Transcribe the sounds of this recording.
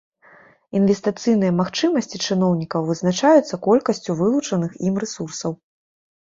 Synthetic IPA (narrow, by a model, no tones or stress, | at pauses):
invʲɛst̪ɨt̪sɨjnɨjɐmaxt͡ʂɨmɐsʲt͡sʲit͡ʂɨnɔwnʲikɐwvɨznat͡ʂajut̪sːɐkɔlʲkɐsʲt͡sʲuvɨlˠut͡ʂɐnɨximrɛsursɐw